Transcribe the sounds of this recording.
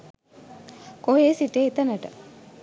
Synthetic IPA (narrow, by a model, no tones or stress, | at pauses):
koɦeːsiʈeːit̪ənəʈə